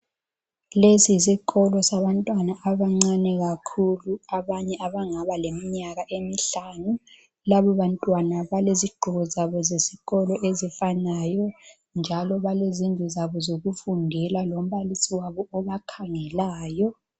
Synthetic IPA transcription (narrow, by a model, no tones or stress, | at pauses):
lesis̬iɣɔlɔsaβantʼwanaʔaβaŋ͡ǀanɛɣakʰuluaβaɲɛʔaβaŋaβalemiɲaɣaʔemiɬanu | laβɔβantʼwanaβaleziɡ͡ǃʱɔɣɔzaβɔzesiɣɔlɔʔezifanajɔ | nd͡ʒʱalɔβalezindʱizaβɔzoɣufundʱɛlalom̩βalisiwaβɔɔβakʰaŋɛlaːjɔ